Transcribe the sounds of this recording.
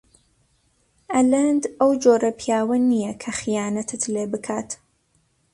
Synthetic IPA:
ʔɐlɐnd̪ɐwd͡ʒoːɾɐpʰijaːwɐnijɐkʰɐxijaːnɐt̪ʰɨt̪leːbɨkʰaːt̪

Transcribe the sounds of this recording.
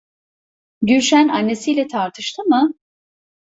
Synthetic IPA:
ɟyɾʃænanːe̞sijlʲɛt̪ʰaɾt̪ʰɯʃt̪ʰɯmɯ

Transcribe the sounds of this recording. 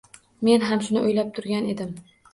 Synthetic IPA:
me̞nɦamʃʊnɪʔʊjlap̚t̪ʰʊɾɡʲane̞d̪ɪm

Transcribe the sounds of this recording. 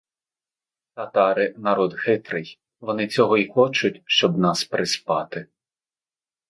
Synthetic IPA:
t̪ɐt̪ɑɾɪnɐɾɔd̪xɪt̪ɾɪj | ʋɔnɪt͡sʲɔɦɔixɔt͡ʃʊtʲʃt͡ʃɔbnɑspɾɪspɑt̪ɪ

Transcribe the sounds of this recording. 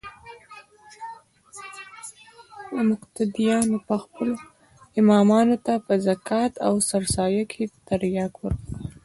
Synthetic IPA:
ləmʊqt̪ad̪ijɑnopəxpəlo | ɪmɑmɑnot̪apəzakʰɑt̪a̰wsaɾsɑjakʰet̪aɾjɑkwəɾk

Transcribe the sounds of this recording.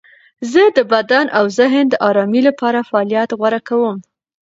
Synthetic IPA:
zəd̪əbad̪anʔawzɪɦənd̪əʔɑɾɑmilapɑɾafaɑljat̪ɣwaɾakawəm

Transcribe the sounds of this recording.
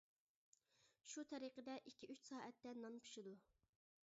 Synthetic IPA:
ʃut̪ʰɛɾiqəd̪ɛʔikʲʰːiʔyt͡ʃsɑːʔɛt̪ːɛnɑnpʰu̥ʃɪd̪u

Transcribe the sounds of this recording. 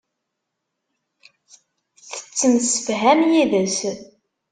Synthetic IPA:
θə̥t͡sːənsə̥fɦæmjiðæs

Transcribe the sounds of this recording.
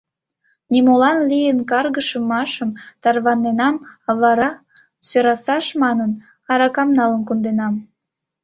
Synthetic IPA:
nʲimolɑnlijənkɑrɣəʃəmɑʃəmt̪ɑrβɑnːenɑmβɑɾɑ | søɾɑsɑʃmɑnən | ɑɾɑkɑmnɑlənkund̪enɑm

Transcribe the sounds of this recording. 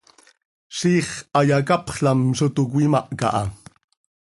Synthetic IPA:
siːχajakapχɬamsʊt̪ʊk̬ʷwimaʔkaʔɑ

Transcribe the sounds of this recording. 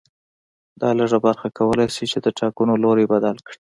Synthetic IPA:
d̪ɑləʐabaɾxakawəlajʃit͡ʃed̪əʈɑkunoloɾebad̪alkɽi

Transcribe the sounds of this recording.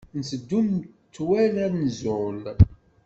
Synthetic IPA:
nəsəd̪ːum | t͡sːwælæɾnzʊl

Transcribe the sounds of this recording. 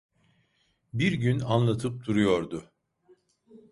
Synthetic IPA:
biɾɟynanlˠat̪ʰɯp̚d̪ʰuɾujo̞ɾd̪ʊ

